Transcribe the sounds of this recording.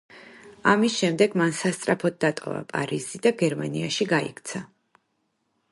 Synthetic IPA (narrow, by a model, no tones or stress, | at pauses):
amisʃɛmd̪ɛɡmansast̪sʼɾapʰɔd̪̚d̪at̪ʼɔ̰va̰pʼa̰ɾizid̪aɡɛɾmaniaʃiɡaḭkʰt̪sʰa